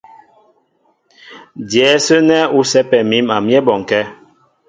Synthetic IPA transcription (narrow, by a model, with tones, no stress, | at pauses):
djɛ˨˦sə˦nɛ˦u˦sɛ˦pɛ˨mi˦ma˨mjɛ˦bɔ˨ŋ˨kɛ˦